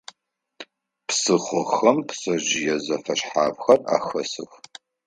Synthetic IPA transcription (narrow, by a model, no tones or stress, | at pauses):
psɨχʷɔxɐmpsɐʑɪjɛzɐfɐɕħaːvxɐra̰ːxɐsɨ̰x